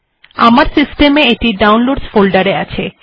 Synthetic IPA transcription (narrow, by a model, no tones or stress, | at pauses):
a̰maɾsisʈemeeʈiɖawnloɖsfolɖaɾeat͡ɕʰe